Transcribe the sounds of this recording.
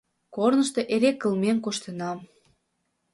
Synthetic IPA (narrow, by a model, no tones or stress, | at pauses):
kornəʃt̪o̽ʔeɾekːəlmemkoʃt̪ənɑm